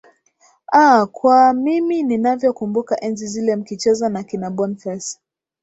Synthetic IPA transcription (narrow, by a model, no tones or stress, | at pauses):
akwamimininavjɔkumbukaʔɛnzizilɛm̩kit͡ʃɛzanakinaɓɔnfɛs